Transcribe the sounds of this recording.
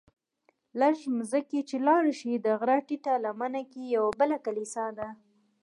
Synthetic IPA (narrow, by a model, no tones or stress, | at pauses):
laɾʃimzəket͡ʃelɑɽʃid̪əɣɾɑʈiʈalamanakijawabəlakalisad̪a